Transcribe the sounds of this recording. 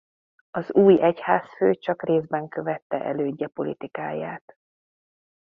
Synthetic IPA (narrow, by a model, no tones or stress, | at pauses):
ɒzuːjɛchaːsføːt͡ʃɒkreːzbɛŋkø̞vɛt̪ːɛ̰ʔɛløːɟːɛpo̞lḭt̪ikaːjaːt̪